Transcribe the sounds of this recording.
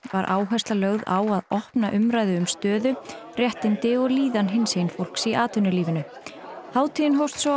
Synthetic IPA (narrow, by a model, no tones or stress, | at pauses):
vaɾʔaːwɦɛjst̪lalœɣðaːwaðɔhpnaʔʏmɾaːjðʏʏmst̪œːðʏ | rjɛht̪ɪnt̪ɪɔɣliːðanɦɪnsejnfowl̥ksiʔaːt̪ʏnːʏliːvɪnʏ | haːwt̪ʰiɪnɦowst̪sɔ